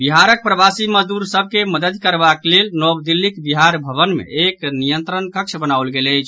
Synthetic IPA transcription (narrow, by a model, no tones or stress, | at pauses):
biɦaɾək̚pɾəbasiməd͡ʒd̪uɾsəb̚ʱkeməd̪əd̪kəɾbaklelnɔbd̪ilːikbiɦaɾbʱəβənmḛeknijənt̪ɾənkəkt͡ʃʰbənawlɡeləjt͡ʃʰ